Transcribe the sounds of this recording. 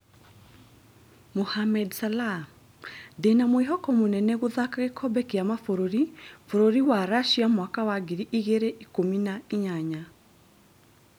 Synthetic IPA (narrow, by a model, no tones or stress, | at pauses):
mohamɛdsala | denamoeɦɔkɔmonɛnɛɣoðakaɣekʰɔbɛkeamafoɾoɾifoɾoɾiwaɾaʃiamwakawaɡiɾiʔiɣeɾeʔikominaiɲaɲa